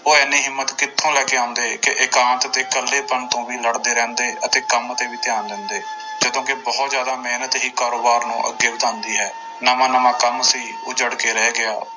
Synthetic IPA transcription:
oːɛːnːiːɦɪmːət̪kɪt̪ʰːõːlɛːkeːãːʊ̃nd̪eːkɪʔɪkãːnt̪ət̪eːkəlːeːpənt̪õːʋiːləɽd̪eːɾɛ̃ːnd̪eːʔət̪eːkəmət̪eːʋiːt̪ɪjaːnlɛ̃ːnd̪eː | d͡ʒəd̪õːkɪbɔːt̪zjaːd̪aːmeːnət̪ɦiːkaːɾoːbaːɾnũːʔə̰ɡːeːbəd̪ãːnd̪iːɦɛː | nəʋãːnəʋãːkəmsiː | ʊːd͡ʒəɽkeːɾɛɦːɛɡɪaː

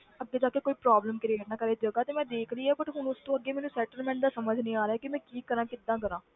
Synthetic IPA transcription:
əɡːeːt̪əkːekːoːiːpɾaːbləmkɾeːʈnaːkəɾeːd͡ʒəɡaːt̪eːmɛ̃ːd̪eːkʰɾəiːaːbəʈɦʊnʊst̪õːəɡːeːmɛːnũsɛːʈəlmɛ̃ːɳʈd̪aːsəməd͡ʒnĩːaːɾɛːkimɛ̃ːkiːkəɾãːkɪd̪ãːkəɾãː

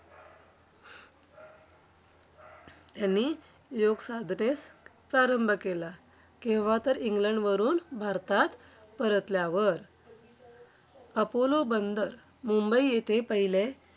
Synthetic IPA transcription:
t̪janːi | joɡsad̪ʱnespɾaɾəmbʱəkela | kĩʋat̪əɾiŋɡləɳɖʋəɾuːnbʱaɾt̪at̪ | pəɾət̪ljaʋəɾ | əpolobənd̪əɾ | mumbəijet̪ʰepəɦile

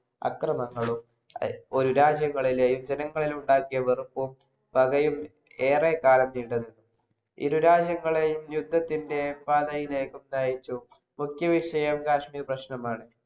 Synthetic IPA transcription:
ɐ̰krɐmɐŋːɐɭum | o̞ɾuɾaːd͡ʑjɐŋːɐɭilejumd͡ʑenɐŋːɐɭiluɳɖaːkːijɐʋerupːum | pɐɣɐjum | e̞ːrekaːlɐmniːɖɐðinːu | ḭɾuɾaːd͡ʑjɐŋːɐɭejumjud̪ʱːɐt̪ːinde̞paːd̪ɐjile̞ːkːumd̪aːjit͡ɕːu | mukʰjɐʋiʂɐjɐmkaːʂmiːprɐɕnɐmaːɳɨ

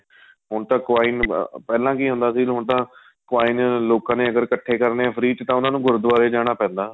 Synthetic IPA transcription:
ɦʊɳt̪ãːkʊʋaːɪːnpɛːlãːkiːɦʊ̃nd̪aːsiːlɦʊɳt̪ãː | kʊaːinloːkãːneːəɡəɾkəʈʰːeːkəɾnefʰəɾiːt̪t̪ãːʊnãːnũːɡʊɾd̪ʋaːɾeːd͡ʒaːɽ̃aːpɛ̃ːnd̪aː

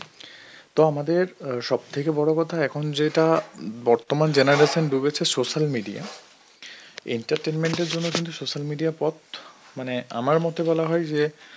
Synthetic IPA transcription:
t̪oamad̪eɾʃɔb̚t̪ʰekebɔɽokɔt̪ʰaɛkʰond͡ʑeʈabɔɾt̪omand͡ʑenaɾeʃonɖubet͡ɕʰesoʃalmiɖia̰ | ḛɳʈaɾʈenmeɳʈeɾd͡ʑonːokint̪usoʃalmiɖijapɔt̪maneʔa̰maɾmɔt̪ebɔlaɦɔjd͡ʑe

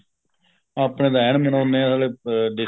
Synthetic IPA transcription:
aːpɳẽːd̪aːɛːɳmənoːneːãːsaːleːɖɪ

